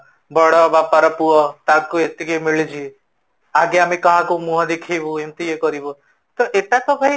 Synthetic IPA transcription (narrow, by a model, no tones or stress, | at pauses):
bɔɽɔbapaɾɔpuɔt̪akuet̪ːikejmiɭid͡ʒʰi | aɡeamekɔɦãkumuɦãd̪ekʰijbũemt̪iekɔɾibɔ | t̪ɔʔeʈat̪ɔbʱaj